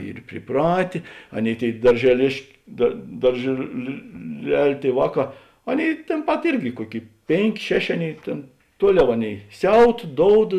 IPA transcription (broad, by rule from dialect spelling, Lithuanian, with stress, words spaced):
ˈiːr pʲrʲɪˈprɑːtʲeː ˈɑːˌnʲeːɪ ˈtʲeːɪ dɐrʲʒʲɛˈlʲeːʃk dɐr dɐrʲʒʲeːlʲɪlʲɛlʲ ˈtʲeːɪ ˈʋɑːˌkɑː ˈɑːˌnʲeːɪ tʲeːn ˈpɐt ˈɪrʲɡʲɪ ˈkuɔˌkʲeːɪ ˈpʲeːŋʲˌkʲeː ˈʃʲæːˌʃʲeː ˈɑːˌnʲeːɪ ˈtʲeːn ˈtuɔˌlʲɛʊ ˈɑːˌnʲeːɪ ˈsʲɛʊt ˈdoːʊt